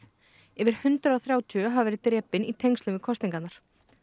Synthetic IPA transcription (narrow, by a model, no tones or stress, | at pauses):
ɛvɪɾ̥hʏnt̪ɾʏawθɾjaːwt̪ʰʏɦavvɛːɾɪt̪ɾɛːpɪnit̪ʰejŋkst̪ʏmɪkʰɔst̪niŋkanaɾ̥